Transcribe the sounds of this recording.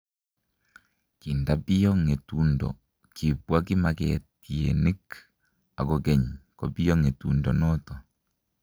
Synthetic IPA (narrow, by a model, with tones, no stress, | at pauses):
ki˨nda˦pi˦jɔ˦ŋe˨tu˦ndɔ̰˨ | ki˨pwa˦ki˦ma˨kɛ̰˨tiḛ˨ni˦k | a˨ko˦kɛ˦ɲkɔ˨pi˦jɔ˦ŋe˨tu˨ndɔ˨nɔ˦tɔ˨